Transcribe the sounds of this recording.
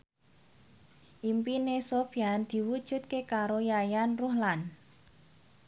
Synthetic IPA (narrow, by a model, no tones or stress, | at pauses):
ʔimpinesofiand̪̥i̤wud̥ʒ̥ṳt̪̚kekaɾojajanruɦlan